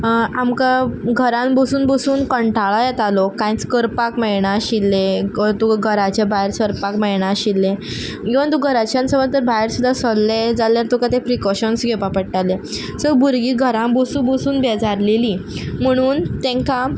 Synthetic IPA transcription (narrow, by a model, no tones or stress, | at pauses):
amkaɡʱəɾãmbosuːnbosuːnkəɳʈʰaɭajɛt̪alɔkãj̃t͡skəɾpakmɛɭɳ̃aɕilːet̪uɡʱəɾat͡ɕjabajɾsəɾpakmɛjɳ̃aɕilːe | kĩʋ̤ãt̪̬uɡʱəɾat͡ɕjãnsəməlt̪əɾbajɾsud̪ʱːasɔlːed͡zalːaɾt̪ukat̪ẽpɾikɔɕənsɡʱepapəɽʈale | səbuɾɡiːɡʱəɾãmbosũbosuːnbɛd͡zaɾlelim̤əɽ̃uːnt̪ɛ̃ŋka